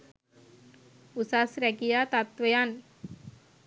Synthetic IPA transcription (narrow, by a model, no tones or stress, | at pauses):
usasɾɛkijat̪at̪ʋejan